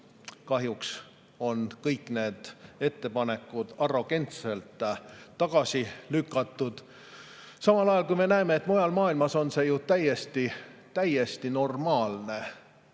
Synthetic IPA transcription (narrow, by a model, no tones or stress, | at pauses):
kɑɦjuks | o̞nkɤjkːˑne̞ːd̪̥e̞t̪ːe̞pɑne̞kːˑud̪̥ɑro̞ɡ̥e̞nt̪selt̪ˑːɑɡ̥ɑsilykːˑɑt̪ːˑud̪̥ | sɑmɑlɑjɑlkujme̞næemeːt̪ːˑmo̞jɑlmɑːilmɑso̞nse̞jut̪æje̞st̪it̪æjest̪ino̞rmɑːlne̞